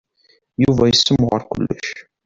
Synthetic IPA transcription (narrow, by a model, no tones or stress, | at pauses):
juvæjəsːəmːʁəɾkʷʊ̰lːəʃ